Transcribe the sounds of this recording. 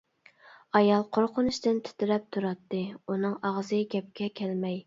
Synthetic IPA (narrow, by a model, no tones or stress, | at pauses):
ɑjɑlˠqʰoɾqʰʊnuʃt̪ɪnt̪ʰy̥t̪ɪɾɛp̚t̪ʰuɾɑt̪ːɨunɨŋɑʁzɨɡʲɛp̚kʲɛkʲʰɛlmɛj